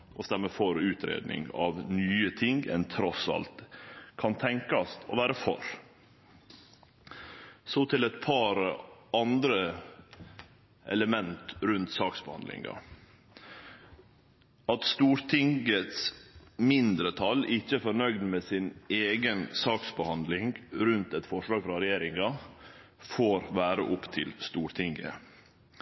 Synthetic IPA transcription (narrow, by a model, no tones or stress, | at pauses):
ʔɔst̪æməfɔɾʉːt̪ʰɾḛːd̪nɪ̰ŋɑ̰ʋnyːət̪ʰɪŋɡɛ̰nt̪ʰɾɔsɑ̰lt̪kʰɑnt̪ʰɛŋkɑst̪ʰɔ̰ʋæːɾəfɔ̰ɾ | sot̪ʰɪlɛt̪pʰɑɾɑnd̪ɾə | ʔɛ̰ləmɛnt̪ɾʉnt̪sɑːksbəhɑ̰nd̪lɪ̰ŋɑ̰ | ɑt̪st̪uːɾt̪ʰɪŋɡət̪smɪnd̪ɾət̪ʰɑlɪçəfɔnœʏɡd̪meːsɪneːɡənsɑːksbəhɑnd̪lɪŋɡɾʉnt̪ɛt̪fɔʂlɑːɡfɾɑɾɛjeːɾɪŋɑ | foːɾʋæːɾə̰ʔʊpt̪ʰɪlst̪uːɾt̪ʰɪŋɡə̰